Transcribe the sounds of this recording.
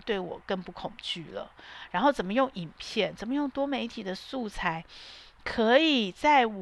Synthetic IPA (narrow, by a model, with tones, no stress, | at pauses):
t̪we˥˩ɪwɔ̰˨˩kə˥˧ŋpu˥˩kʰʊ˨˩ŋt͡ɕy˥˩lə̰˩ɻa˧˥nxo˥˩ʊt͡sə˨˩mə˦jʊ˥˩ŋi˨˩ŋpʰjɛ˥˩nt͡sə˨˩nmə˦jʊ˥˩ŋt̪wɔ˥me˧˥ɪt̪ʰi˨˩d̪ə˦su˥˩t͡sʰa˧˥ɪ | kʰɤ˧˥i˨˩t͡sa˥˩ɪ